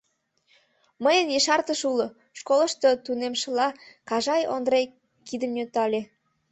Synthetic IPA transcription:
məjənjəʃɑrt̪əʃulo | ʃkolə̆ʃt̪ə̆t̪unemʃə̆lɑkɑʒɑjond̪ɾej | kid̪əmnʲøt̪ɑlʲe

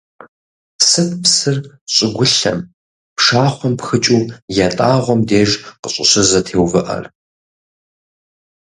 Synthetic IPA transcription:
psɨp̚ʰpsɨr | ɕʼɪɡʷʊɬɐ̰m | pʂaːχʷɔmpxɨt͡ʃʼuːjɛtʼaːʁʷɔmdeːʒqəɕʼɪ̰ɕɨzɐtʰeːwvɨʔɐ̰r

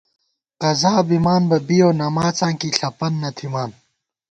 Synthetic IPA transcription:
qɐzaːbimaːnbɐbijoːnɐmaːt͡sãːŋkiɬɐpɐnːɐt̪ʰimaːn

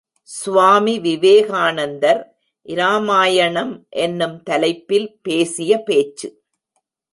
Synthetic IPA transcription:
sʊʋaːmiʋɪʋeːɣaːnɐnd̪ɐɾ | ʔɪɾaːmaːjɐɳɐmʔɛnːɯmt̪ɐlɐɪpːɪlpeːsɪjɐpeːt͡ʃːɯ

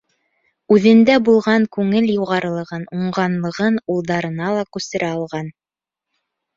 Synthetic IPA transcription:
ʉðɘ̆nd̪æbulˠʁɑŋkʉŋɘljuʁɑɾɤ̆lˠɤ̆ʁɤnuɴɢɑnlˠɤ̆ʁɤnulˠd̪ɑɾɤ̆nɑlˠɑkʉst̪ɘ̆ɾʔæɑlˠʁɑn

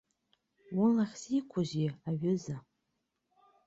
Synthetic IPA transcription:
wʊlaχʲsikʷʰʊʒiaɥʊza

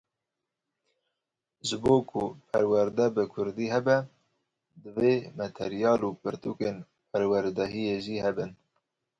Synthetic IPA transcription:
ʒɨboːkʰʊpʰæɾwæɾd̪ɛbɨkʰʊɾd̪iːɦɛbɛ | d̪ɨveːmɛt̪ʰɛ̰ɾijɑːlupɨɾt̪uːken | pʰɛɾwæɾd̪ɛɦijeʒiːhɛbɨn

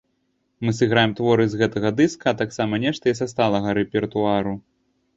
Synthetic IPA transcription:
mɨs̬ɨɣɾajɛmt̪vɔɾɨzɣɛt̪ɐɣɐd̪ɨskɐːt̪aksamɐnʲɛʂt̪ɐjɛs̬ast̪alˠɐɣɐɾɛpʲɛrt̪uaɾu

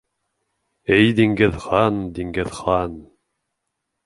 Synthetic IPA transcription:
ɘjd̪iŋɡɘðχɑnd̪iŋɡɘðχɑn

